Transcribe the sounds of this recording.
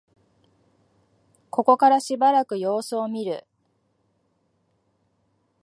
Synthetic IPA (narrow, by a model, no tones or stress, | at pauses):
ko̞ko̞kaɾaɕibaɾakɯ̟jo̞ːsɨːmʲiɾɯ̟̰